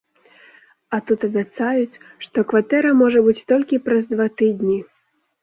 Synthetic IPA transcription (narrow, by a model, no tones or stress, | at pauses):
at̪ut̪ɐbʲat̪sajut͡sʲ | ʂt̪ɔkvat̪ɛɾɐmɔʐɐbɨt͡sʲt̪ɔlʲkʲipɾɐzd̪vat̪ɨd̪ʲnʲi